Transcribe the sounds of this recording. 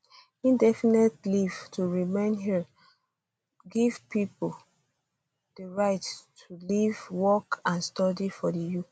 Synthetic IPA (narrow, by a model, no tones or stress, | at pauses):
ĩndɛfinetliv̥tʰuɹimẽnɦi | ɡiv̥pipol | d̥əɹaɪttʰulivwɔkãnstɔdifɔdəju